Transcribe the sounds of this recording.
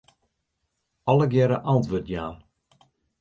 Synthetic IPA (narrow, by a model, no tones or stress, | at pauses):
ɔləɡjɛɾəʔantʋøtjaːn